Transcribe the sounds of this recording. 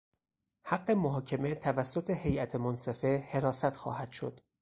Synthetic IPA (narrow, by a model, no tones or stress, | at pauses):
hæɡːe̞moɦɒːcʰemet̪ʰævæsːot̪ʰehe̞jʔæt̪ʰemonse̞fe̞he̞ɾɒːsæt̪xɒ̰ːhæd̪̥ʃo̞̰d̪̥